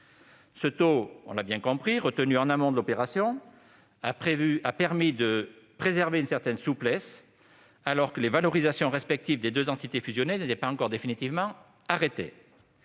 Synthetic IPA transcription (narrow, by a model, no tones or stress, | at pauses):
sət̪oɔ̰̃labjɛ̃kɔ̃pχiʁət̪ənyɑ̃namɔ̃d̪əlɔpeʁasjɔ̃ | aapɛʁmid̪əpχezɛʁveynsɛʁt̪ɛnsuplɛs | alɔʁkəlevalɔʁizasjɔ̃ʁɛspɛk̚t̪ivd̪ed̪øzɑ̃t̪it̪efyzjɔnenet̪ɛpaɑ̃kɔʁd̪efinit̪ivmɑ̃ | aʁet̪ḛ